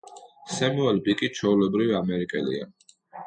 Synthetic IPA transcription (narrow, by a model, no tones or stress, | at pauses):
sɛmuɛlbikʼit͡ʃʰɔulɛbɾiviamɛɾikʼɛlḭa̰